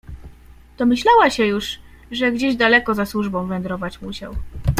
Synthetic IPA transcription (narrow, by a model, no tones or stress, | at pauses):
d̪̥ɔmɘɕlawaɕɛjuʂ | ʐɛɡd͡ʑeʑd̪alɛkɔzaswuʐbɔ̃w̃vɛnd̪ɾɔvat͡ɕmuɕa̰w